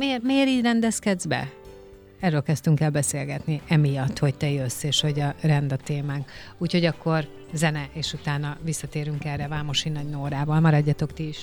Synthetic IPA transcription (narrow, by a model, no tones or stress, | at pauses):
meːrmeːɾiːɟrɛnd̪ɛskɛd̪zbɛ̰ | ɛrøːlkɛst̪yŋkɛlbɛseːlɡɛt̪niɛmijɒt̪ːho̞ct̪ɛjøsːeːʃho̞ɟɒrɛnd̪ɒt̪eːmaːŋk | uːcho̞ɟɒkːo̞r | zɛnɛʔeːʃut̪aːnɒvisːɒt̪eːɾyŋkɛrːɛvaːmoʃinːɒɟnoːɾaːvɒlmɒɾɒɟːɒt̪o̞kt̪iiʃ